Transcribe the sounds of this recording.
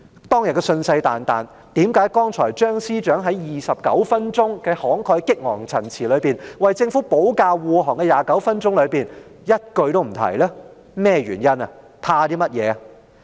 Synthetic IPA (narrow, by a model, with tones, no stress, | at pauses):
t̪ɔː˥ŋjɐ˨t̚kɛ˧sɵ˧nsɐ˧jt̪a̰ː˨nt̪a̰ː˨˩n | t̪iː˨˥mkaː˨˥jkɔː˥ŋt͡sʰɔː˨˩jt͡ʃœː˥ŋsiː˥t͡ʃœː˨˥ŋɦɐ˨˥jjiː˨sɐ˨p̚kɐ̰˨˥wfɐ˥nt͡sʊ˥ŋkɛː˧hɔː˨˥ŋkʰɔː˧jkɪ˥k̚ŋɔ̰ː˨˩ŋt͡sʰɐ˨˩nt͡sʰiː˨˩lɵ˨˧ɥpiː˨˩nwɐ˨jt͡sɪ˧ŋfuː˨˥po˨˥wkaː˧wwuː˨ɦɔː˨˩ŋkɛː˧jaː˨kɐ˨˥wfɐ˥nt͡sʊ˥ŋlɵ˨˧ɥpiː˨˩n | jɐ˥t̚kɵ˧ɥt̪o˥wm̩˨˩t̪ʰɐ̰˨˩jlɛː˥ | mɛː˥ɥy̰ː˨˩njɐ˥nɐ˨ | pʰaː˧t̪iː˥mɐ˥t̚jɛ̰ː˨˧ɐ˨